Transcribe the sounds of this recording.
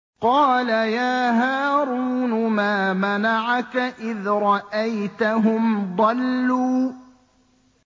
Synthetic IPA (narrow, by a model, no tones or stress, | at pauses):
qɑːlajaːɦaːɾuːnʊmaːmanaʕakaʔɪðɾˤɑʔajt̪aɦʊmd̪ˤɑlːuː